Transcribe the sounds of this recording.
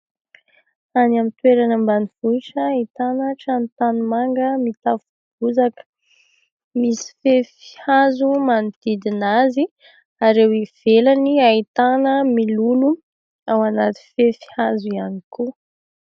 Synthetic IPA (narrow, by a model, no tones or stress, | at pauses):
anamit̪weɾanəmbaniv̥uit͡ʃəit̪anəʈ͡ʂant̪animaŋɡəmit̪afuv̥uzakə̥ | misi̥fefi̥hazumanid̪̥id̪inazi | aɾewiv̥elaniait̪anəmilulu | awanat̪i̥fefi̥hazuianiku